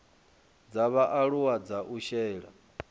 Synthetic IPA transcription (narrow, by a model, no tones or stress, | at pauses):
d͡zaβaʔaɺuwad͡zaʔuʃɛːɺa̰